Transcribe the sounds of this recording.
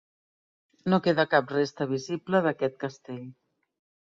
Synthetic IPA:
nokeðəkap̚rest̪əβ̞izipləðəkɛt̪̚kəst̪eʎ

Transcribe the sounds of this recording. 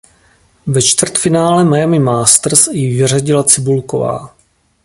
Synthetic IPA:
vɛt͡ʃt̪vr̩t̪fɪnaːlɛmajamɪmaːst̪r̩sjɪvɪr̝aɟɪlat͡sɪbulko̰va̰ː

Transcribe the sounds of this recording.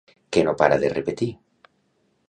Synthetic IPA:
kenopa̰ɾaðḛrepet̪i

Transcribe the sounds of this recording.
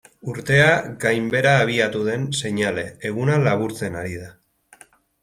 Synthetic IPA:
uɾt̪e̞aɡajmbe̞ɾaːβ̞iat̪uðe̞nse̞ɲale̞ːɣ̞unalaβuɾt͡se̞naɾið̞a

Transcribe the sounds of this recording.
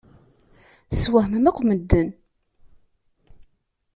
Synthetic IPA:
swæhməmækʷːməd̪ːən

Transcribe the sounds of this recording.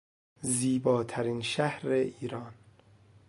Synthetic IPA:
ziːbɒːt̪ʰæɾiːnʃæhɾeʔiːɾɒːn

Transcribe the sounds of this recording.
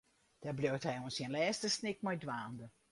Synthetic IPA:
d̥arblowthɛjoənsiənlɛːstəsnɪk̚mɔjdʋaːndə

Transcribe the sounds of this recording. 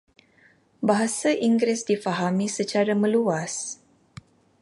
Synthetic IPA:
baɦasaʔiŋɡɾɪsdifaɦamisət͡ʃaɾamə̃luas

